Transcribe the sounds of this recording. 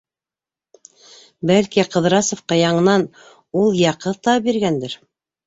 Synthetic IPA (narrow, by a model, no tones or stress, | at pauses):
bælkiqɤ̆ðɾɑsŏfqɑjɑɴɤ̆nɑn | ulˠjɑqɤt̪ɑbiɾɡænd̪ɘɾ